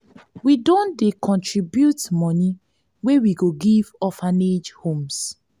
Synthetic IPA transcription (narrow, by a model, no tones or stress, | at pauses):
widõndekʰɔ̃ntɹibjutmɔni | wewiɡoɡivɔfaned͡ʒhõms